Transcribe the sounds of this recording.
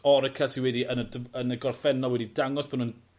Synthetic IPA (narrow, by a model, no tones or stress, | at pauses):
ɔɾəkʰɛsiwɛdiənədənəɡɔrfɛnɔlˠwɛdidaŋɔsb̥ʰɔnun